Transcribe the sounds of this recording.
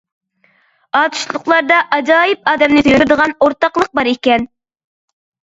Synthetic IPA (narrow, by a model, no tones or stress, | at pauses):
ɑːt̪ʰu̥ʃlˠʊqlˠɑɾd̪ɑʔɑd͡ʒɑːjɪp̚ɑːd̪ɛmnɪt̪ʰyɪɾɪd̪əʁɑnoɾt̪ɑqlˠəq̚bɑɾekʲɛn